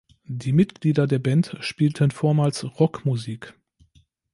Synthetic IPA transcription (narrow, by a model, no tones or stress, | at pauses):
d̥iːmɪtɡ̥liːdɐdeːɐbɛntʃpiːltʰənfoːɐmaːlsʁɔkmuziːk